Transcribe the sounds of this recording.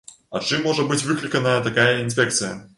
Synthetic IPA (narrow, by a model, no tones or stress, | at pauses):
ɐt͡ʂɨmːo̞ʐɨt̪̚bɨtʲvɨklʲɪkənəjət̪ɐkajəɪnfʲek̚t̪sɨjə